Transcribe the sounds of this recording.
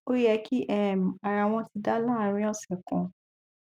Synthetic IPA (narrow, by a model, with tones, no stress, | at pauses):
o˦jɛ˧kʰi˦ʔɛ˦˨m˨a˨ɾa˨w̃ɔ̃˧ti˧˦da˦la˦˨˦ɾ̃ĩ˦ɔ˦˨sɛ˨kũ˨